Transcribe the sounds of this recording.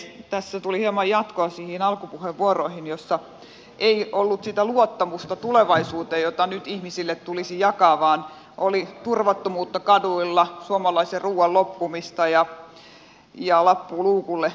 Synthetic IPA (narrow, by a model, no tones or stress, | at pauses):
t̪æsːæt̪ulihiemɑjjɑt̪koɑsiːhinɑlkupuheʋʋuoroihinjosːɑ | ʔeiolːut̪sit̪æluot̪ːɑmust̪ɑt̪uleʋɑisuːt̪ejjot̪ɑnyt̪ihmisilːet̪t̪ulisijɑkɑʋɑːn | ʔolit̪urʋɑt̪ːomuːt̪ːɑkɑduilːɑsuomɑlɑiserruːwɑllopːumist̪ɑjɑ | jɑlɑpːuːluːkulːe